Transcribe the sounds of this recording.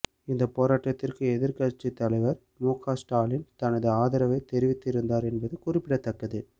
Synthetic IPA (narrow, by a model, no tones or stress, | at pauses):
ɪnd̪ɐpoːɾaːʈːɐt̪ːɪrkɯɛðɪɾkɐɾt͡ʃːit̪ːɐlɐɪʋɐɾ | muːkʰaːsʈaːlɪnt̪ɐnɐðɯaːðɐɾɐʋɐɪt̪ɛɾɪʋɪt̪ːɪɾɯnd̪aːɾɛnbɐðɯkʊrɪpːɪɽɐt̪ːɐkːɐðɯ